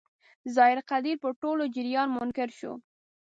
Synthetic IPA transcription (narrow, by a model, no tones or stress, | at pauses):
zɑɪɾqad̪iɾpəʈolod͡ʒɪɾjɑnmʊnkɪɾʃo̰